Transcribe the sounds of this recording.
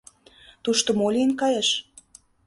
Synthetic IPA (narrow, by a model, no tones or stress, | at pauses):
t̪uʃt̪ŏmolʲinkɑjeʃ